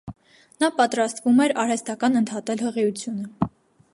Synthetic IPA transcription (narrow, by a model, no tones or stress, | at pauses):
nɑpɑt̪ɾɑst̪vumɛɾɑɾhɛst̪ɑkɑnənt̪ʰɑt̪ɛlhəʁɛjut͡sʰjunə